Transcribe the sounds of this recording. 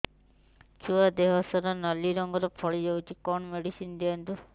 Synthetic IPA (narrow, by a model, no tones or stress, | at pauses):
t͡ʃʰuad̪eɦɔsɔɾɔnɔlːiɾɔŋɡɔɾɔpʰɔɭid͡ʒawt͡ʃʰikɔɳmeɽisind̪eɔnt̪u